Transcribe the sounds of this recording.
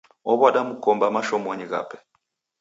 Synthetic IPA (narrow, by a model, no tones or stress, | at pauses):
ɔβaɗamukɔmbamaʃɔmɔɲiɣa̰pɛ̥